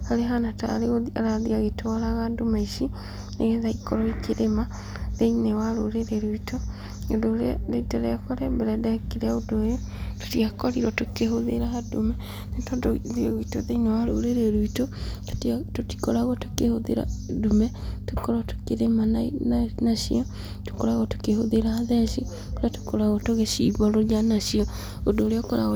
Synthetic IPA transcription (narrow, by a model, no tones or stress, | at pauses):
haɾeɦanata̰ɾeɣoa̰ɾaðiaɣetwaɾaɣadomaiʃi | neɣeðaikɔɾɔikʰeɾema | ðeinewaɾoɾeɾeɾwito | odoɾeaɾeitaɾeakɔɾɛbɛɾɛdakeɾeaodojoto̥tiakɔɾiɾɔtokeɦoðḛɾaɣadomɛ | netɔdoðiɣitoðɛinawaɾoɾeɾeɾwitottoti̥koɾaɣɔto̥kehoðḛɾa̰dumɛ | tokɔɾɔto̥keɾemanainanaʃḭɔ | to̥koɾaɣɔto̥kehoðeɾahaðɛʃi | koɾato̥koɾaɣɔtoɣeʃḭβɔɾojanaʃiɔ | odoːɾeɔkoɾa̰ɣɔ